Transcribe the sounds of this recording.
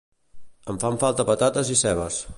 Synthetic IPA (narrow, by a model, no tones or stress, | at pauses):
əɱfaɱfalˠt̪əpət̪at̪əzisɛβ̞əs